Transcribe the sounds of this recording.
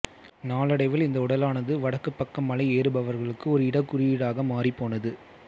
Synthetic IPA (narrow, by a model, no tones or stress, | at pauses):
naːlɐɽɐɪʋɪlɪnd̪ɐʊɽɐlaːnɐðɯʋɐɽɐkːɯpːɐkːɐmːɐlɐɪeːɾɯbɐʋɐɾɣɐɭɯkːɯɔɾɯɪɽɐkːʊrɪjɽaːɣɐmaːripːoːnɐðɯ